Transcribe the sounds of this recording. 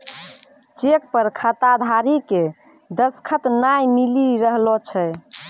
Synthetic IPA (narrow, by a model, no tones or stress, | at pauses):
t͡ʃek̚pəɾkʰət̪ad̪ʱaɾike | d̪əskʰət̪najmiliɾəɦlot͡ʃʰə